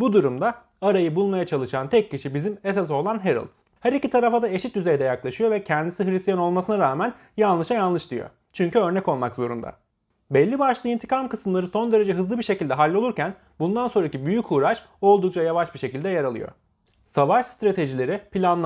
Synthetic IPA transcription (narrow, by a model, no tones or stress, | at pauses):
bud̪uɾumd̪aː | ɾajɯbulˠmajat͡ʃʰalˠɯʃant̪ʰɛc̚ʰːiʃibizimesas̬o̞lˠanɦeɾɯ̰lˠt̪ | hæɾicit̪ʰaɾafad̪ae̞ʃit̪yzejd̪ɛjaklˠaʃɯjo̞vɛcʰɛnd̪isiɦɾist̪ijano̞lˠmasɯnaɾaːmæn | janlˠɯʃajanlˠɯʃd̪ijo̞̰ | t͡ʃʰyɲcyø̞ɾnɛco̞lˠmakzo̞ɾṵnd̪a̰ | bɛlʲːibaʃlˠɯːint̪ʰi̥kʰamkɯsɯmlˠaɾɯso̞nd̪e̞ɾe̞d͡ʒɛɦɯzlɯbiɾʃe̞cilʲd̪ɛɦalʲːo̞lˠuɾcʰæn | bund̪ansoɾacibyjycʰuːɾaʃ | o̞lˠd̪uk̚t͡ʃʰajavaʃbiɾʃe̞cilʲd̪ɛjaɾalˠɯ̰jo̞̰ | savaʃst̪ɾat̪ʰe̞ʒilʲe̞ɾipilʲanˠ